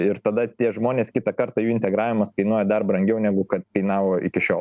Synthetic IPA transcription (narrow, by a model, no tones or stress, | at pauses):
ɪɾt̪ɐd̪ɐt̪ʲiɛʒmoːnʲeːskʲɪt̪ɐkɐɾt̪ɑjuːɪnʲt̪ʲɛɡɾɑːʋʲɪmɐskɐɪnuɔjɛd̪ɐrbɾɐŋʲɡʲɛʊnʲæɡʊkɐt̪kɐɪnɑːʋoːʔɪ̰kʲɪʃʲoːl